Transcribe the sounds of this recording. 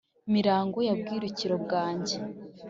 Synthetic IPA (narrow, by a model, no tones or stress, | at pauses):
miɾaːŋɡo̞jab̚ɡiːɾuciɾo̞bɡaːɲɟe̞